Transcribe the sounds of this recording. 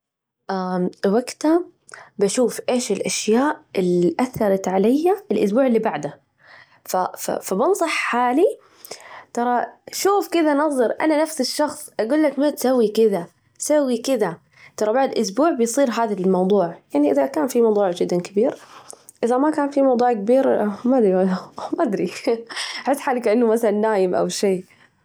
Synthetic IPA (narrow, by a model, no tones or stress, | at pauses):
ʔamwaɡt̪a | baʃuːfʔeːʃɪlʔaʃjaːʔɪliʔaθːɑɾˤɑt̪ʕalajːaɪlʔʊ̰sbuːʕɪlːiːbaʕd̪a | fafa̰fabɪnsˤɑħːaːli | t̪ɑɾˤɑʃuːfkɪðanɑðˤɑɾʔa̰nanafsɪʃːɑxsˤʔaɡuːlːakmat̪sawːikɪða | sawːikɪða | t̪ɑɾˤɑbaʕd̪ʔʊsbuːʕbɪjsˤiːɾɦaːðalmɑwd̪ˤuːʕjaʕniʔɪðakaːnfimɑwd̪ˤuːʕd͡ʒɪd̪ːankɪbiːɾʔɪðamakaːnfimɑwd̪ˤuːʕkabiːɾmad̪ɾiamaʔad̪ɾi | aħɪsːħaːlɪkʔɪnːʊmaθalanːaːjɪmʔa̰wʃeː